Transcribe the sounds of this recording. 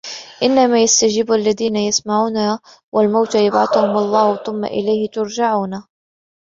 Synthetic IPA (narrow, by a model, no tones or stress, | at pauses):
ʔɪnːamaːjast̪ad͡ʒiːbʔalːaðiːnajasmaʕuːna | wʔalmawt̪jabʕa̰θʊhʊmɑlˤːɑːhθʊmːa̰ʔɪ̰lajhɪt̪ʊɾd͡ʒaʕuːna